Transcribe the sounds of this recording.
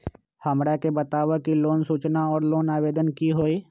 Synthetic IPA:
hɐmɽakebɐt̪aːʋakiloːnsuːt͡ʃnaɔːɾloːnaːʋeːd̪ənkiɦoːiː

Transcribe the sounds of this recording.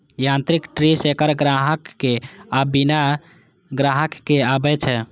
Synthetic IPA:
jãnt̪ɾikʈɾisekəɾɡɾaɦəkːeabina | ɡɾaɦəkːeabɛt͡ʃʰɛ

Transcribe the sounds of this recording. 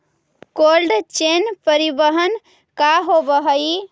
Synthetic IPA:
kolɖt͡ʃenpəɾibəɦən | kaɦobəɦəi

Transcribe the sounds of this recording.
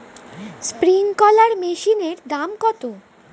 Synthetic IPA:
spɾiŋkɔlaɾmeʃineɾd̪amkɔt̪o

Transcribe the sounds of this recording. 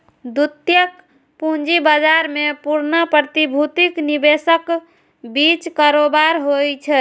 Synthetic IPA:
d̪ut̪jək | pũnd͡ʒibad͡ʒaɾmepuɾnəpɾət̪ibʱut̪iknibesək | bit͡ʃkaɾobaɾɦojt͡ʃʰɛ

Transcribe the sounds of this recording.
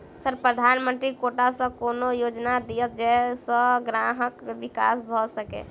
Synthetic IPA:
səɾpɾəd̪ʱaːnmə̃nt̪ɾikoʈasə̃koːnojoːd͡ʒnad̪ijət̪̚d͡ʒɛsə̃ɡɾaɦəkʋɪka̰ːsbʱɔsəkḛ

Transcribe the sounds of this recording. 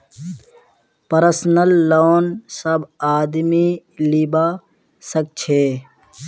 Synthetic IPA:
pəɾsnəlːoːnsəbaːd̪milibaː | sək̚t͡ʃʰeː

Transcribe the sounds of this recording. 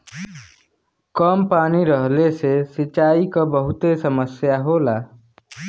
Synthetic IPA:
kəmpaːniɾəɦlesesit͡ʃaːikabəɦʊt̪esəməsjaɦolaː

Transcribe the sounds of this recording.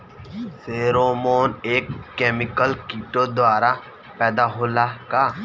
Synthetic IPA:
seːɾoːmoːneːkːeːmɪkəlkiʈod̪waːɾa | pɛːd̪aɦoːlaka

